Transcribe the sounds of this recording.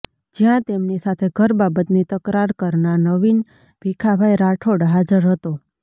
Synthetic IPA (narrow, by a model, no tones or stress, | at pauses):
d͡ʒijãt̪emnisat̪ʰeɡʱəɾbabət̪nit̪əkɾaɾkəɾnanəʋin | b̥ʱikʰabʱajɾaʈʰoɽɦad͡ʒəɾɦət̪o